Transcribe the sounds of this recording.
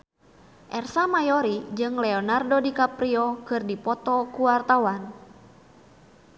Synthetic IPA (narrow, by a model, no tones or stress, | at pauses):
ʔɛrsamajɔɾid͡ʒɨŋlɛɔnardɔdikapɾiɔkɨrdipɔt̪ɔkuwart̪awan